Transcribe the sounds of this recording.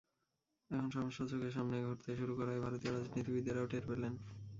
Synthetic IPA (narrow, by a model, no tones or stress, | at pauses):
ɛkʰonʃɔmoʃːat͡ɕokeʃ̬amneɡʱoʈt̪eʃuɾukɔɾaebʱaɾot̪ioɾad͡ʑnit̪ibid̪ːaɾaoʈʰeɾpelen